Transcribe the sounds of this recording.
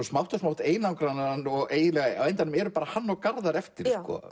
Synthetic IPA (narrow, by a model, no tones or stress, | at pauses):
ɔsmawht̪asmawht̪eːjnawŋkɾannːɔɣeːjɪnɛɣaawejnt̪anʏmɛɾʏpaːɾahanːɔɣkaɾðaɾɛft̪ɪɾ̥skɔ̰